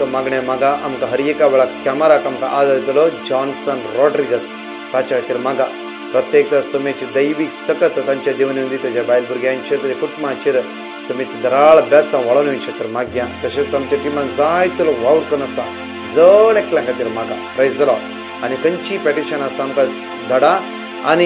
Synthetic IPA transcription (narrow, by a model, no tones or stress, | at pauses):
ɐmɐɡɳemɐɡaʔɐmkɐɦɐɾjɐkaʋɐɭɐkʲɐmɐɾaːkɐmkaʔaːd̪ad̪id̪ɐlod͡ʒaːnsɐnɾoːɖɾiɡɐs | t̪at͡ʃɐt̪iɾmɐɡa | pɾɐt̪jeːk̚t̪ɐsɐmeːt͡ʃid̪ɐjʋiksɐkɐt̪t̪ɐɲt͡ʃɐd̪iʋɐniũnd̪it̪ɐd͡ʒabaːjlbuɾɡʲant͡ʃʰiɾt̪ɐd͡ʒɐkuʈmat͡ʃʰiɾ | sɐmet͡ʃid̪ɐɾaːɭɐbɛsɐ̃ʋɐɭɐnuint͡ʃʰɐt̪iɾmɐɡjat̪ɐʃisɐmt͡ʃɐʈimɐnzaːjt̪ulɐʋɐwɾt̪ɐnɐsã | zəneklɐ̃ŋkɐt̪iɾmɐɡɐ̰pɾɐjzɐloː | ɐnikɐnt͡ʃipɾeʈiʃɐnɐsɐmkɐs | d̪ɐɽa | ɐ̰ni